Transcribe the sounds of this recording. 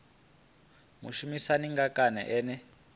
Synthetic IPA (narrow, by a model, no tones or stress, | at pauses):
muʃumisaniŋɡakanɛ̰ʔɛːnɛ